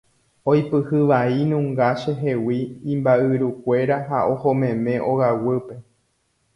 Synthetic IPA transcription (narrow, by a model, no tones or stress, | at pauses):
ojpɨhɨʋainũŋɡaʃeɦe̞wĩːmbaʔɨɾukʷe̞ɾaɦaʔo̞homẽ̞mẽ̞ʔo̞ɣawɨpe̞